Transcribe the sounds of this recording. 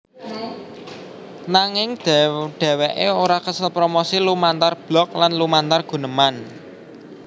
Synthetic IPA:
naŋɪŋd̪̥ɛd̪̥ɛ̤weʔeoɾakəsəlpɾomosilumant̪arb̥lɔ̤k̚lanlumant̪arɡ̥ṳnəman

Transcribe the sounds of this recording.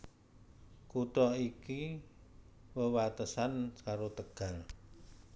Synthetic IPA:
kut̪ɔiki | wəwat̪əsankaɾot̪əɡ̥a̤ŋ

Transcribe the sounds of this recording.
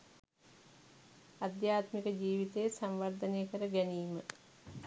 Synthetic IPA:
ad̪jaːt̪mikəd͡ʒiːʋit̪ejːsamʋaɾd̪ɐneːkəɾəɡæniːmə

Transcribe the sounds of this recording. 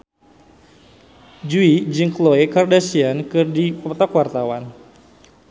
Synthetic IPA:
d͡ʒuid͡ʒiŋkloekardasiankɨrdipɔt̪ɔkwart̪awan

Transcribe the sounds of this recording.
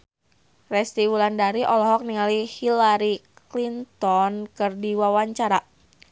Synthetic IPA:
rɛst̪iwulandaɾiʔɔlɔɦɔk̚niŋalihilaɾiklint̪ɔnkɨrdiwawaɲt͡ʃaɾa

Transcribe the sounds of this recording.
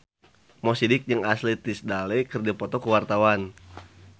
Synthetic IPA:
mɔsidik̚ɲaŋaslit̪isdalɛjkərd͡ʒapɔt̪ɔkəwart̪awan

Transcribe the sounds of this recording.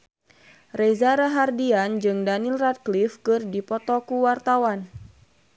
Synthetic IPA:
rɛzaɾaɦardiand͡ʒɨŋdanilrat̪̚klifkɨrdipɔt̪ɔkuwart̪awan

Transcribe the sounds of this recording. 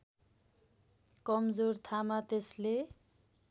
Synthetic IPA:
kʌmd͡zort̪ʰamat̪esle

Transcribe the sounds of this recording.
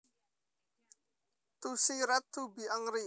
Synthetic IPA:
t̪usiɾat̪ːubiaŋɾi

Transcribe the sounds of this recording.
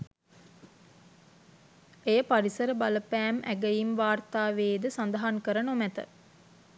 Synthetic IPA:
ejəpaɾisəɾəbaləpæːmʔæ̰ɡəjimʋaːrt̪aːʋeːd̪əsand̪əɦaŋkəɾənomæt̪ə̰

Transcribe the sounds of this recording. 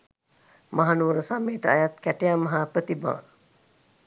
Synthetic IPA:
maɦanuɾəsameːʈəajat̪kæʈejamːɐɦapɾət̪ibã̰ː

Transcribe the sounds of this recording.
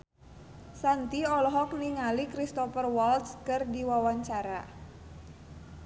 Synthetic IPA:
sant̪iɔlɔɦɔk̚niŋalikɾist̪ɔfərwɔlt̪skɨrdiwawaɲt͡ʃaɾa̰

